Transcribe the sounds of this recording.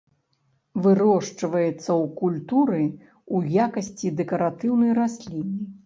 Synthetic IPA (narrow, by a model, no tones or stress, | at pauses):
vɨɾɔʂt͡ʂɐvɐjɛt̪sːɐwkulʲt̪uɾɨ | ujakɐsʲt͡sʲid̪ɛkɐɾat̪ɨwnɐjrasʲlʲinʲi